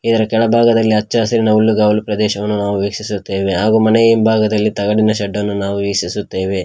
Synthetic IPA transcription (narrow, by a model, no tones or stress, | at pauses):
id̪ɐɾɐkɛɭɐbʱaːɡɐd̪ɐlːiɐt͡ʃːaːsɐɾinɐulːuɡaːʋɐlupɾɐd̪ɛːʃɐʋɐnːunaːʋuʋeːkʂisut̪ːe̞ːʋe̞ɦaːɡumɐnejimbʱaːɡɐd̪ɐlːit̪ɐɡɐɽinɐʃɐɖːɐnːunaːʋuʋiksisut̪ːe̞ːʋe̞